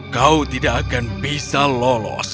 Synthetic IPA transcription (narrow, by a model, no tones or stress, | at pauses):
kaut̪idakːakanbisalɔlɔ̰s